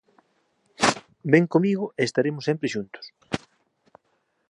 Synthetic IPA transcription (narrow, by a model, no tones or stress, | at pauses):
beŋkomiɣʊeːst̪aɾemʊsempɾeʃunt̪ʊ̥s